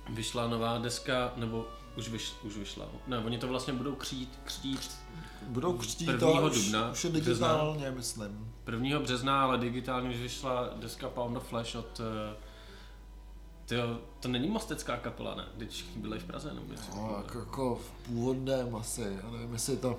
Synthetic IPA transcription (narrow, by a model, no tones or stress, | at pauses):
vɪʃlanovaːdɛskanɛbo | uʃvɪʃuʃvɪʃla̰nɛvoɲɪt̪ovlast̪ɲɛbudo̞wkr̥it̪kr̝̥ciːt̪ | budowkr̥ciːvɲiːɦodubnauʃjɛdɪɡɛznaːlɲɛmɪslɪmpr̩vɲiːɦobrɛznaalɛdɪɡɪt̪aːlɲɛuʃvɪʃladɛskapawnoflɛʃot̪ | t̪ːɪot̪onɛɲɪmost̪ɛt͡skaːkapɛ̰la̰nɛ̰ːɡdɪcfʃɛ̥xɲɪbɪlaɪfpɾa̰zɛ̰nɛ̰bo̰ɲɛ̰sɪakjakofpuːvodnɛmasɪjanɛvɪmjɛsɪt̪o